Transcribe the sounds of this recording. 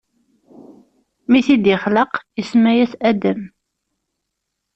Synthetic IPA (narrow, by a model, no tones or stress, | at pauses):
miθid̪jɪχləqjəsmæjæsæd̪əm